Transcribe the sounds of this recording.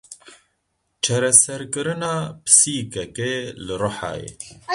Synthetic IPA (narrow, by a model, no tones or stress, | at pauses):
t͡ʃʰɛɾɛsɛɾkɨɾɨnaːpɨ̥siːkɛkelɨɾʊħɑ̰ːjḛː